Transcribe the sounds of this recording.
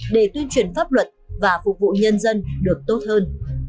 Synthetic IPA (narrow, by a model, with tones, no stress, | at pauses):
ɗe˧˩t̪wi˧ənt͡ɕwi˨˩ənfaː˦˥p̚lwə˨˩t̚vaː˨˩fʊ˨˩k͡p̚vṵ˧˨ɲə˧nzə˧nɗɨ˨˩ək̚t̪o˦˥t̚həː˧n